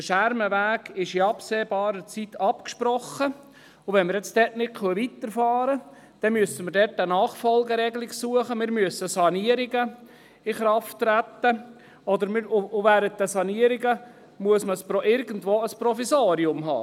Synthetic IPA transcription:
dəʃæɾməʋæːɡɪʃiɑpseːbɑːɾət͡sit̪ʰɑpkʃpɾɔχːə | ʊʋɛnməɾjɛt͡sd̥ɛtnɪkʰøəʋit̪əɾfɑːɾə | d̥ɛmyəsəməɾdɛtənɑːχfɔlɡəɾɛɡlɪksuəχəmɪːɾmyəsəsɑniəɾiɡə | ɪχɾɑftːɾæt̪ːə | ɔd̪əɾmɪɾʊʋæːɾənt̚d̪əsɑniəɾiɡə | muəsməspɾɔʔɪɾɡən̩dvoːəspɾɔfisaːɾiʊmɦɑ̰ː

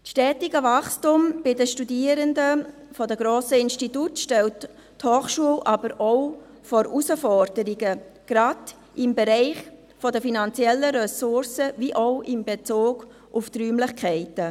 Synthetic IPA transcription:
sʃtɛːtɪɡəvɑχstʊmb̥ɪdəʃtudiːəɾəndəfɔdəɡɾoːsəɪnstitutʃtɛlt | thoːχʃuəlʔɑbəɾoʊ | fɔɾʔusəfɔɾdəɾiɡəɡ̥ɾɑd | ɪmbɛɾɛɪχ | fɔdəfinɑnt͡sjɛlːəɾɛsʊɾsəviʔoʊʔɪmbet͡soːɡ̥ | ʔʊft̪ɾyːmlɪχkʰɛɪtə

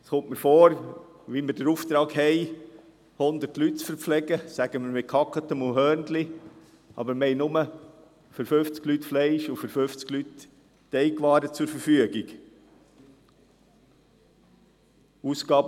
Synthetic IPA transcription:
sχʊmtməɾfɔːɾ | ʋiməɾdəɾuːft̪ɾɑːkhɛɪ | hʊnd̪əɾtlytt͡sfəɾpflɛɡəsæɡ̥əməɾmɪt̚kʰɑkət̪əmʊhœːrndli | ʔɑ̰bəɾmhɛɪnʊmə | føɾføft͡sklytflɛɪʃʊfəɾføft͡sɡ̥lytː | ɛɪkʋɑːɾət͡sʊɾfəɾfyəɡiɡ | uːskɑːb

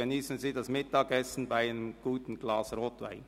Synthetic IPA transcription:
əniːsn̩ziːdɑsmɪtɑːɡɛsn̩baɪnəmɡ̥uːtn̩ɡ̥lɑːsɾoːtʋa̰ɪn

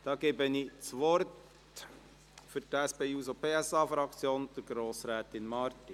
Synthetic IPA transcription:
d̥ɑːɡ̥eːbəniːt͡sʋɔɾt | fyɾtæspeːuːsopʰeːɛsɑːfɾɑkt͡sjoːnd̥əɾɡ̥ɾoːsɾɛːt̪ɪnmɑɾt̪i

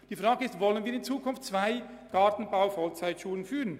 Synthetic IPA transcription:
d̥iːfʁaːɡəɪstvɔlənviːɾɪnt͡suːkʰʊnftt͡sv̥aɪ | ɡ̥ɑtn̩baʊfɔlt͡saɪtʃuːlənfyːʁən

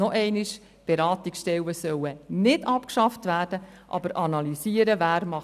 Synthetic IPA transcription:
ɔʔɛɪniʃ | b̥eɾɑːt̪iksʃtɛwəsœwənɪdɑpkʃɑftʋæːɾd̥ə | ʔɑ̰bəɾʔɑnɑlisiːəɾəvæːɾmɑ

